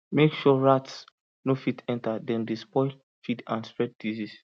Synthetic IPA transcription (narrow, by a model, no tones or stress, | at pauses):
mekʃɔɹats | nofitɛ̃ntadɛ̃ndespɔɪl | fidã̰nspɹɛd̚dizis